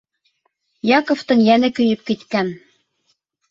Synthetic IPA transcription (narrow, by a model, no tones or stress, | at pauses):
jɑkŏft̪ɤ̆njænɘ̆kyjɘp̚kit̪kæn